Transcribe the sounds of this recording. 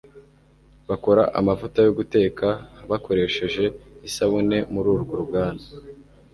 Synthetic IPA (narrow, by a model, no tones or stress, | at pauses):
βako̞ɾaʔa̰mavutajo̞ɡute̞ːkʰaβako̞ɾe̞ʃe̞ʒe̞isaβune̞muɾuːɾuɡoɾubɡaːna